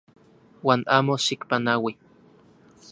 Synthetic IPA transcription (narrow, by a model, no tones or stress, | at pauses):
waːnaːmoʃikpanawi